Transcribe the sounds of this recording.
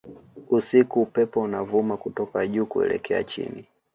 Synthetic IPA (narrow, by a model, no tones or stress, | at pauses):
usikuːpɛpɔunavumakutɔkaʄuːkuɛ̰lɛ̰kɛa̰t͡ʃḭni